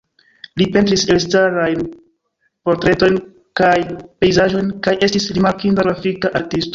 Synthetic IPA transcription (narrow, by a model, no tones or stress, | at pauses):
lipe̞ntɾiselstaɾajn | po̞ɾtɾe̞to̞jn | kajpe̞jzaʒo̞jnkajʔe̞stisɾimaɾkindaɡafikaʔaɾtisto